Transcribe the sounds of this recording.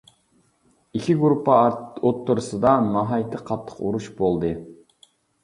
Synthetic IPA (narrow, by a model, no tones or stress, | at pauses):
ikʲʰiɡɾupʰːɑot̪ʰːuɾɨsɨd̪ɑnɑɦɑjt̪ʰɨqʰɑt̪ʰːə̥quɾuʃbolˠd̪ɨ